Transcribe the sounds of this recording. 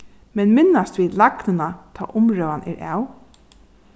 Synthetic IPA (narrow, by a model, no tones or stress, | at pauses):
mɛnmɪnast̪ʋiːlaknɪnat̪ʰɔ̰ːʔʊmɹœːwanʔɛ̰ɹʔæ̰ːw